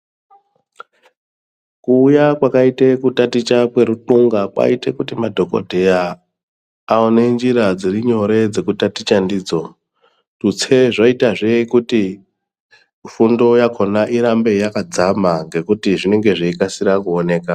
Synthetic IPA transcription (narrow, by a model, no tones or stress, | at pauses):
kuːjakwakaitekutatit͡ʃakwe̞ɾutuŋɡakwa̰itekutimadʱo̞ko̰dʱe̞jaː | one̞nd͡ʒiɾad͡ziriɲo̞ɾe̞d͡ze̞kutatit͡ʃandiːd͡zo̞ | tut͡sʰe̞ʐoitaʐeikuti | fundo̞jakʰo̞naʔiɾambe̞jakad͡zamaŋɡe̞kutiʐine̞ŋɡe̞ʐeikasiɾakuone̞ːka